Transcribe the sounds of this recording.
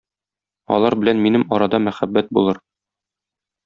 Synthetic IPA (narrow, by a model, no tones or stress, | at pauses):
ɒ̰lˠɑɾbɘ̆lænminɘmɒɾɑd̪ɑmæχæbːæt̪̚bulˠɤɾ